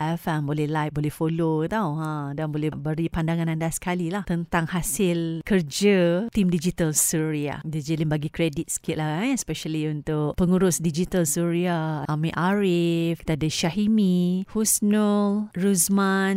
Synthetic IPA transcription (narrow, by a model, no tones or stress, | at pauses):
ɛfambolɛhlajk̚bolɛhfolot̪awə̃danbolɛhbəɾipandaŋãnandasə̥kalilaht̪ənt̪aŋhasɪlkərd͡ʒət̪imdid͡ʒit̪əlsuɾia̰did͡ʒəlinbaɡikɾedit̪̚sə̥kit̪̚laãspɛʃaliunt̪ʊʔpəŋuɾʊsdid͡ʒit̪əlsuɾiaamĩʔaɾifki̥t̪adaʃaɦimĩhusnɔlɹusmãn